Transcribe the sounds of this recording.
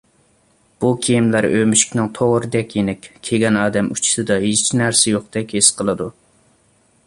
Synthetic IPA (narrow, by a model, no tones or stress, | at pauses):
b̥ukʲʰijimlæɾømyʃy̥kʲnɨŋt̪ʰoʁɾɨd̪ɛkʲjenɛkʲkʲʰeɡʲɛnɑːd̪ɛmut͡ʃʰi̥sɨd̪ɑɦizt͡ʃʰinæɾsɪjoqd̪ɛkʲhesqʰəlˠɨd̪u